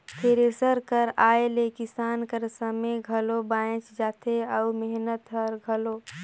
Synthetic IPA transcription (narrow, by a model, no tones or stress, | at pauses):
p̪ʰeɾesəɾkəɾaːelekɪsaːnkəɾsəmejɡʱəlobaːẽt͡ʃd͡ʒaːt̪ʰeəmɛɦnət̪ɦəɾɡʱəloː